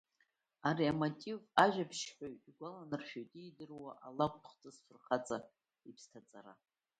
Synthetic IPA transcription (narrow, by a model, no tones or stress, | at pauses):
aɾiamotʼivaʒᶣapʰʃχʲoɥtʼiɡʷalanɨrʃᶣoɥtʼijdɨrwaʔalakʷʰʼtʰχt͡sʼɨsfɨrχat͡sʼa | ipʰstʰat͡sʼaɾa̰